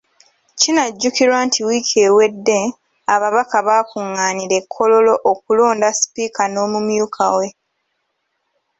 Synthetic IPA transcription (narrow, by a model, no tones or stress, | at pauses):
cinaɟːukiɾwaːntʰiwiːkʰeːwe̞dːe | aβaβakaβaːkuŋːaːniɾe̞kʰːo̞lo̞lo̞ʔːkulo̞ːndasi̥piːkano̞ːmumjuːkʰawe̞